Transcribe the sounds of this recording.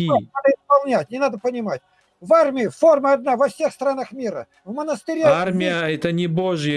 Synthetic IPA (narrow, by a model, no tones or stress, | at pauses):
inad̪əɪspɐlˠnʲætʲnʲɪnad̪əpənʲɪmatʲ | varmʲɪɪfo̞rməɐd̪navɐfsʲe̞xst̪ɾanəxmʲiɾə̰ | vmənəst̪ɨɾʲearmʲɪjəɛt̪ənʲɪboʐjə